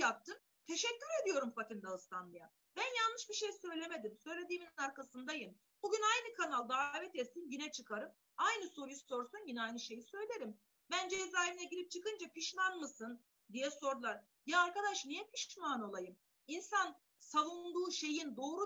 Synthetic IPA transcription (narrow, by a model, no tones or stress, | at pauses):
jap̚t̪ʰɯn | t̪ʰe̞ʃɛcʲːyɾe̞d̪ijo̞ɾumfat̪ʰind̪aɯst̪ʰanlˠɯja | bænjalˠːɯʃbiʃe̞jsø̞jlʲe̞me̞d̪imsø̞jlʲe̞d̪iːminnaɾkʰasɯnd̪ajɯm | b̥uɟynajnɯkʰanalˠd̪aːvɛt̪et̪sinɟinɛt͡ʃʰɯkʰaɾɯm | ajnɯso̞ɾujuso̞ɾsunɟinɛajnɯʃe̞jisø̞jlʲe̞ɾim | bænd͡ʒeizaːiminɛɟilʲip̚t͡ʃʰɯkɯnd͡ʒapʰiʃmanmɯsɯn | d̪ijɛso̞ɾd̪ulˠaɾ | jijaːɾkad̪aʃnijɛpʰiʃmano̞lˠajɯm | insan | salˠund̪uːʃe̞jind̪o̞ːɾu